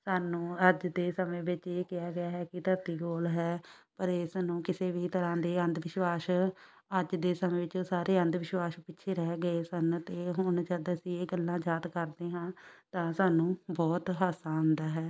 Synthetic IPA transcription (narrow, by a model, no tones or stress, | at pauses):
saːnũːəd͡ʒd̪eːsəmẽːʋɪt͡ʃeːkɪjaːɡɪjaːɦɛːkɪt̪əɾt̪iːɡoːlɦɛːpəɾeːsnũːkɪseːʋiːt̪əɾãːd̪eːə̃nd̪ʋɪʃwaːs | əd͡ʒd̪eːsəmẽːʋɪt͡ʃoːsaːɾeːə̃nd̪ʋɪʃwaːspɪːʃʰeːɾɛːɡəeːsənt̪eːɦʊɳd͡ʒəd̪əsĩːeːɡəlːãːd͡ʒaːd̪kəɾd̪eːɦãːt̪ãːsaːnũːbɔːt̪ɦaːsãːnd̪aːɦɛː